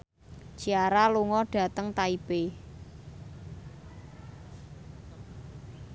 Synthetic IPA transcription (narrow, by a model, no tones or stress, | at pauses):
d͡ʒ̥iaɾaluŋɔɖ̥a̤t̪əŋt̪aib̥e